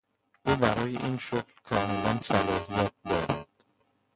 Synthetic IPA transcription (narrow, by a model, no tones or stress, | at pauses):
ʔuːbæɾɒːjḛʔinʃoklkʰɒːmelænsælɒːɦijæt̪̚d̪ɒːɾæd̪̥